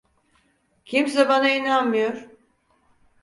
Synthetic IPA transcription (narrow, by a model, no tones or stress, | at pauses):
cʰimsɛbanainanmɯjoɾ̥